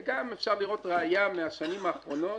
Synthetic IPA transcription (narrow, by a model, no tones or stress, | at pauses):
ɡamefʃaʁliʁo̞t̪ʁeajameaʃanimaːχʁo̞no̞